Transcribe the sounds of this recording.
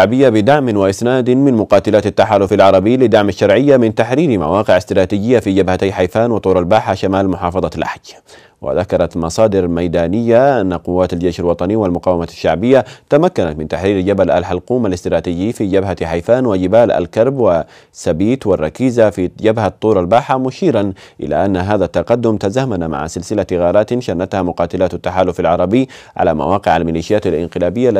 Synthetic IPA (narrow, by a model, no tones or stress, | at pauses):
ʕbɪjːabɪd̪aʕmɪnwɪʔɪsnaːd̪mɪnmʊqɑːt̪ɪlaːt̪at̪ːaħaːlʊfalʕɑɾˤɑbɪːlɪd̪aʕmaʃːɑɾˤʕɪjːamɪnt̪aħɾiːɾma̰wɑːqɪʕast̪ɪɾˤɑːt̪iːd͡ʒɪjːafid͡ʒabhat̪ajħajfaːnwɪt̪ˤuːɾalbaːħaʃamaːlmʊħɑːfɑðˤɑlʔa̰ħd͡ʒ | wɪ̰ðakɑɾˤɑt̪mɑsˤɑːd̪ɪɾmajd̪aːnɪjːaʔanːaqʊwːaːt̪ald͡ʒeːʃalwɑt̪ˤɑniwɪlmʊqɑːwamaʃːaʕbɪjːat̪amakːanat̪mɪnt̪aħɾiːɾd͡ʒabala̰lħalquːmalɪst̪ɪɾɑːt̪iːd͡ʒiːfid͡ʒabɦaħajfaːnwɪd͡ʒɪbaːla̰lkɑɾˤbwa | sabiːt̪wɪrˤːɑkiːzafid͡ʒabhat̪ˤːuːɾˤalbaːħamʊʃiːɾanʔɪ̰la̰ʔanːaɦaːðat̪ːɑqɑd̪ːʊmt̪azaːmanama̰ʕa̰sɪlsɪlat̪ɣɑːɾˤaːt̪nʃanːat̪hamʊqɑːt̪ɪlat̪at̪ːaħaːlʊfalʕɑɾˤɑbɪːʕa̰lama̰wɑːqɪʕalmɪliːʃɪjaːt̪alʔɪ̰nqɪlaːbɪjːa